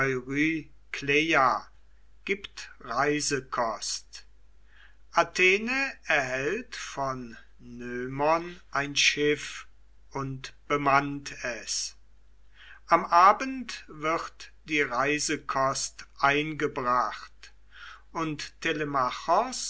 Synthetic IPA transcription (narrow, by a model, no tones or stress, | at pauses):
ɔʏʁyː | kleja | ɡ̥iːptʁaɪzəkʰɔst | ʔatʰeːnəɛɐhɛltfɔnː | øːmɐnʔaɪnʃɪf | ʊntb̥əmantʰɛs | ʔamʔaːbəntvɪʁtd̥iːʁaɪzəkʰɔstʔaɪnɡəbʁaχt | ʔʊnttʰːelemaχɔs